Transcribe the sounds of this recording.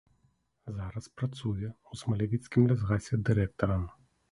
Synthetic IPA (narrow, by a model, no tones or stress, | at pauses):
zaɾɐspɾɐt̪suviɐɔsmɐlʲɛvʲit̪skʲimlʲɛzɣasʲiɐd̪iɾɛk̚t̪oɾan